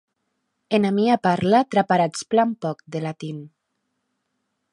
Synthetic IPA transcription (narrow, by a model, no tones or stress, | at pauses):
enamiapaɾlat̪ɾapaɾat͡splampɔkd̪elat̪in